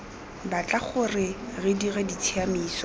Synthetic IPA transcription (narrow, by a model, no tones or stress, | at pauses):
bat͡ɬʼaχʊrɪrɪdiɣɛdit͡sʰiamiːsɔ